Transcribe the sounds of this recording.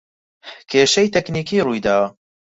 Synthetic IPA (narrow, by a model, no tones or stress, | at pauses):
kʰeːʃɐjt̪ɛkniːkʰiːrujd̪aːwɐ